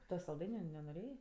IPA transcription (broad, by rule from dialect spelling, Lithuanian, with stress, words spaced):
ˈtoː sɐlˠˈdɐɪnʲʊ nʲɛnoːˈrʲeːjeː